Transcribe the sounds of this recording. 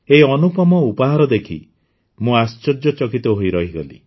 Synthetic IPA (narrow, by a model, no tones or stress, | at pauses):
eiɔnupɔmɔupɔɦaɾɔd̪ekʰḭ | mũast͡ʃɔd͡ʒɔt͡ʃɔkit̪ɔɦoiɾɔɦiɡɔlḭ